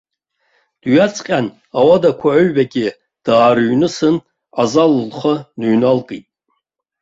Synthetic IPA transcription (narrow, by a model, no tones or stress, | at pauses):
d̥ɥat͡sʼqʲʼan | awadakʷʰaʕʊɥbaɡʲʼɪ | d̥aːɾɥnɨsɨn | ʕazallχənɨɥnalkʼḭtʼ